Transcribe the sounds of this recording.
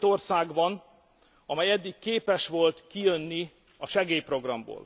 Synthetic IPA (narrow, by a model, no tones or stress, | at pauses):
t̪o̞rsaːɡbɒn | ɒmɛjɛd̪ːikkeːpɛʃʋo̞lt̪kijønːi | ɒʃɛɡeːjpro̞ɡrɒmbo̰ːl